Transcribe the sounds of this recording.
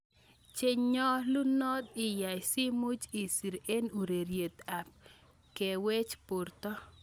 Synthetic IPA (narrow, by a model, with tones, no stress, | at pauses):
t͡ʃe˦ɲɲɔ˦lu˦nɔ˦d̪̚ɪ˨ja˨jsi˦mu˦d͡ʒi˨si˨ɾe˦nu˨ɾe˨ɾje˨t̪a˨p̚ | ke˨we˦t͡ʃpʊ˨rt̪ɔ˦